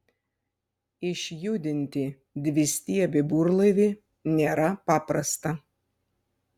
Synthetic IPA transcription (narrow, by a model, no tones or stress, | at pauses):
ɪʃʲjud̪ʲɪnʲt̪ʲɪ | d̪ʲʋʲɪsʲt̪ʲiɛbʲɪbuːɾlˠɐʋʲɪ | nʲeːɾɐpɑːpɾɐst̪ɐ